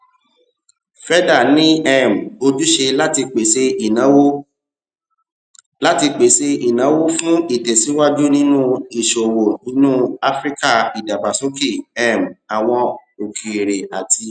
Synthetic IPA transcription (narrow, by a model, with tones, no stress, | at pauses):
fɛ˦da˦˨nĩ˦ɛ˦˨m̩˨o˧d͡ʒu˦ʃe˧la˦ti˧k͡pe˨se˧i˨nã˨˦wo˦ | la˦ti˧k͡pe˨se˧i˨nã˨˦wo˦fũ˦i˦˨tɛ˨sĩ˨˦wa˦d͡ʒu˦nĩ˦nũ˦i˨ʃo˨wo˨nĩ˦nũ˦a˦fɾi˦ka˦˨i˨da˨ba˨so˨˦ki˦˨ɛ˦˨m̩˨a˨w̃ɔ̃˧o˨kʰi˨ɾe˨a˨ti˧